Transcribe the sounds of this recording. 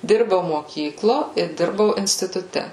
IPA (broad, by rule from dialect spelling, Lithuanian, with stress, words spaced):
ˈdʲɪrbɐʊ moːˈkʲiːklˠoː ɪ ˈdʲɪrbɐʊ ɪnʲsʲtʲɪtʊˈtʲɛ